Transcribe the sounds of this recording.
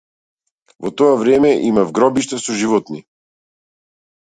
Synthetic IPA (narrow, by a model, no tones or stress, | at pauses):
vɔt̪ɔavɾɛmɛʔimavɡɾɔbiʃt̪asɔʒivɔt̪ni